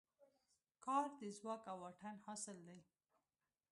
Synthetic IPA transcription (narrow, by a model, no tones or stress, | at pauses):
kɑɾd̪əzwɑkawaʈanhɑsɪld̪aj